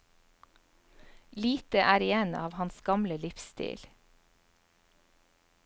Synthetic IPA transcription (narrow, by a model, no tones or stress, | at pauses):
liːt̪əʔæːɾɪeːnɑ̰ːʋhɑnsɡɑmləlɪfst̪ḭːl